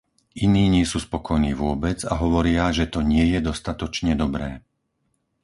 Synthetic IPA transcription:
iniːɲɪɛsuːspɔkʰɔjniːʋʊɔbɛd͡zaɦɔʋɔɾɪaʒɛt̪ɔɲɪɛjɛd̪ɔst̪at̪ɔt͡ʃɲɛd̪ɔbɾɛː

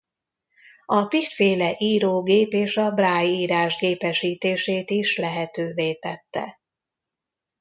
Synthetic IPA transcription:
ɒpit̪feːlɛʔiːɾoːɡeːpeːʃɒbraːjiːɾaːʒɡeːpɛʃiːt̪eːʃeːt̪iʃlɛɦɛt̪øːveːt̪ɛt̪ːɛ̰

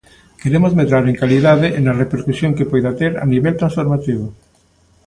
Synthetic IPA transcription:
keɾemozmet̪ɾaɾẽŋkaliðaðeʔenarepeɾkusjoŋkepojðat̪eɾa̰niβelt̪ɾãnsfoɾmat̪iβ̞o

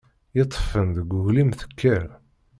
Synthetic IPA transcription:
jet̪ˤːfənðəɡʷʊɣlimθə̥kʰːəɾ

